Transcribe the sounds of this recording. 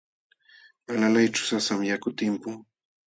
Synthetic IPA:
alalajt͡ʃʊ̥sasamjakʊt̪ɪmpʊŋ

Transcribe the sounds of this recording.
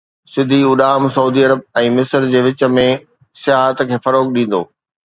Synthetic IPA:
sɪd̪ʱiʊɗaːmsɐuːd̪iɐɾəb̚ɛ̃ːmɪsəɾd͡ʑeːʋɪt͡ɕə̆mẽ | sɪjaːɦət̪kʰeːfɐɾoːkɗĩːn̆d̪o̰ː

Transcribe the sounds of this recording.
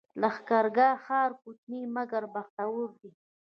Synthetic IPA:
laxkaɾɡɑxɑːɾkut̪nimaɡaɾbaxt̪awuɾd̪i

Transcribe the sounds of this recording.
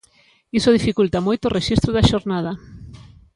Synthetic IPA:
isʊð̞ifikult̪amojt̪orʔeʃist̪ɾʊðaʃoɾnað̞ɐ

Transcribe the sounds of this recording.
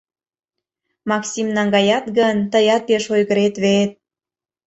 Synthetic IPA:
mɑksimnɑŋɡɑjɑt̪ɡənt̪əjɑt̪̚peʃojɣəɾet̪βeet̪̚

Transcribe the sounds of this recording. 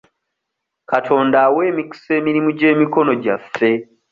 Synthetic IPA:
katʰo̞ːndawe̞ːmiki̥se̞ːmiɾimuɟe̞ːmiko̞no̞ɟafːe̞

